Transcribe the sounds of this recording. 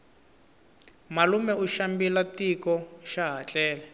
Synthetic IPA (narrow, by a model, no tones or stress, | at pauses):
malumɛuʃambilatikɔʃaɦat͡ɬɛːlɛ